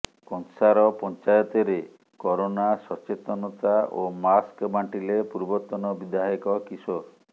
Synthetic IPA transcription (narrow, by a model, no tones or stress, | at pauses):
kɔnsaɾɔpɔnt͡ʃajɔt̪eɾe | kɔɾonasɔt͡ʃet̪ɔnɔt̪aʔomaskbaɳʈilepuɾbɔt̪ɔnɔbid̪aɦikɔkisoɾ